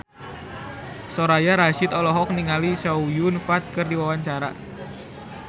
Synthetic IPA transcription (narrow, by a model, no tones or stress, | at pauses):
soɾajaɾaʃɪt̪ɔlɔɦɔk̚niŋalisaujunfat̪̚kɨrdiwawaɲt͡ʃaɾa̰